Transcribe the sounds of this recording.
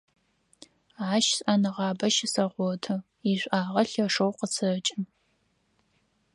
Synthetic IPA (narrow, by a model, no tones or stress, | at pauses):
aːʃsɐnɨʁɑːbɐʃɪsɐʁʷɔtʰɨ | iɕʷʼʔaːʁɐɬɐʂowqət͡sʰɨt͡ʃʼɪn